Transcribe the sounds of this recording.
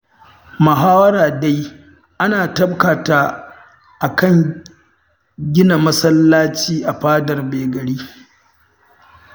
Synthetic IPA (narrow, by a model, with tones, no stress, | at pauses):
mɐ˨ɦaː˦wɐ˦ɾaː˨da˦j | ʔa˦naː˨tɐ˦b̚kaː˨ta˦ | ʔa˨kɐ˦˨ŋ | ɡʲɪ˦na˨mɐ˦sɐ˦lːaː˦t͡ʃiː˦ʔa˨ɸaː˦dɐ˨rbeː˨ɡɐ˨ɽiː˦